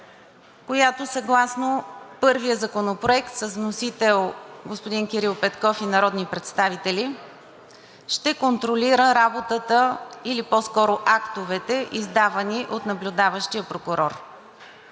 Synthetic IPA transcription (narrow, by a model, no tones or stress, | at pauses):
kojat̪osɐɡlˠasnopɤɾvijəzɐkonopɾoɛkt̪səzvnosit̪ɛlˠɡospod̪inkʲiɾilˠpɛt̪kɔfinɐɾɔd̪nipɾɛt̪st̪avit̪ɛlʲi | ʃt̪ɛkont̪ɾoliɾəɾabot̪ət̪əilipɔskɔɾoʔakt̪ovɛt̪ɛʔizd̪avɐniʔot̪nɐblʲʊd̪avəʃt̪ijəpɾokʊɾɔɾ